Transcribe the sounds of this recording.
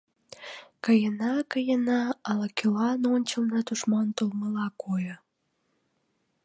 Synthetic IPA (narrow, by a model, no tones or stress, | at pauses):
kəjənɑkəjənɑɑlɑkylɑnonʲt͡ɕəlnɑt̪uʃmɑnt̪olməlɑkojə